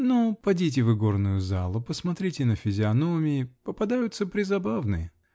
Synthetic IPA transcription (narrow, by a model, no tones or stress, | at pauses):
nopɐdʲit̬ʲɪvɨɡo̞rnʊjʊzalˠʊpəsmɐt̪ɾʲitʲɪnəfʲɪzʲɪɐnomʲɪɪpəpɐd̪ajʊt̪səpɾʲɪzɐbavnɨjə